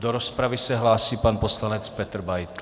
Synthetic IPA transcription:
d̪oɾɔspɾavisɛɦlaːsiːpanpɔslaɲɛt͡spɛt̪rbajt̪

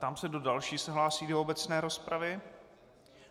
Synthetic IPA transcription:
t̪amsɛdo̞dalʃiːsɛɦlaːsiːdoobɛt͡snɛːɾo̞spɾʔavɪ

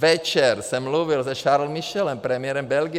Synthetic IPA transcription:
ʋɛt͡ʃɛɾsɛmluːʋilzɛʃaɾl̩miʃɛlɛmpɾɛmjɛɾɛmbɛlɡi

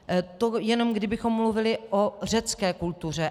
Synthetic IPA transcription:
t̪o̞jɛno̞mɡdɪbɪxo̞mːluvɪlɪʔor̝ɛt͡skɛːkult̪ur̝ɛ

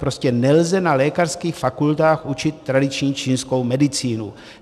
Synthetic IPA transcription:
pɾoscɛnɛlzɛnalɛːkarskiːxfakult̪aːxʔut͡ʃɪt̪ːɾadɪt͡ʃɲiːt͡ʃiːnsko̞wmɛdɪt͡siːnu

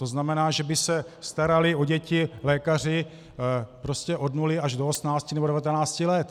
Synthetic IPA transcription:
t̪oznamɛnaːʒɛbɪsɛst̪aɾalɪoɟɛcɪlɛːkar̝ɪ | pɾo̞scɛʔo̞dnulɪaʒdoosmnaːt͡scɪnɛbɛvat̪ɛnaːt͡scɪlɛt̪

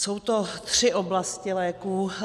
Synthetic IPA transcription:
so̞wt̪o̞t̪r̝̥ɪʔo̞blascɪlɛːkuː

